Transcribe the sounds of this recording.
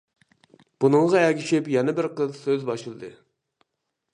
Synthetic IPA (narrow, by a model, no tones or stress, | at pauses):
b̥unɨŋʁɑɛɡʲiʃɪpjɛnɪbɪɾqəzsøzbɑʃɨlˠɨd̪ɨ